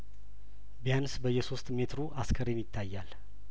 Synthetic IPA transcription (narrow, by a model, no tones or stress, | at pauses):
bijansbəjːɛso̞st̪me̞t̪ɾuʔaskʰəɾenjɪt̪ʰːajːal